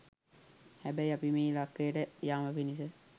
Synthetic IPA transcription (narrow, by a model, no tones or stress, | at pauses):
hæbæjapimeːlakːejəʈəjaːməpinis̬ə